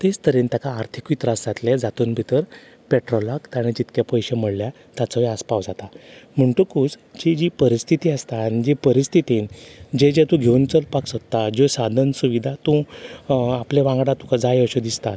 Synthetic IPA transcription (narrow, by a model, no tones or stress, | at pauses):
t̪est̪ʰəɾint̪jakaːɾt̪ʰikuit̪ɾasd͡zat̪led͡zat̪uːnbʱit̪əɾ | peʈɾɔlakt̪aɽ̃ẽd͡ʑit̪kapəjɕeməɽlja | t̪at͡səʋiaspawd͡zat̪am̤əɳʈukuːd͡z | d͡ʑid͡ʑipəɾist̪ʰit̪iːəst̪aañid͡ʑepəɾist̪ʰit̪ind͡ʑed͡ʑet̪ũɡʱewnt͡səlpaksət̪ːad͡ʑɔsad̪ʱənsuʋid̪ʱat̪ũ | apleʋãŋɡɽat̪ukad͡zajəɕod̪ist̪at̪